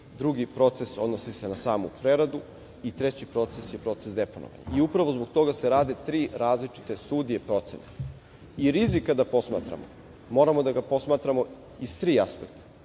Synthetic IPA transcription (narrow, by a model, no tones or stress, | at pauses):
d̪ɾuɡipɾo̞t̪seso̞d̪nosise̞nasaːmṵpɾeɾad̪u | it̪ɾe̞t͡ɕipɾo̞t̪sesjepɾo̞t̪sesd̪e̞pono̰ʋa̰ɲa̰iupɾaʋo̞zboɡ̚t̪o̞ɡaseɾaːd̪e̞t̪ɾiːɾaːzlit͡ʃi̥t̪e̞st̪uːd̪ije̞pɾo̞t̪sḛna | iɾizikad̪apo̞sma̰ːt̪ɾa̰mo̰ | mo̞ːɾamo̞d̪aɡapo̞smaːt̪ɾamo̞ | ist̪ɾiːaspekt̪ḁ